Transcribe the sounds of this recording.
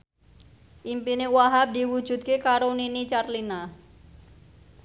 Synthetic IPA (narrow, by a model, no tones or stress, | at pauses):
ʔimpinewaɦap̚d̪iwu̥ʒ̥ṳt̪̚kekaɾoninit͡ʃarlina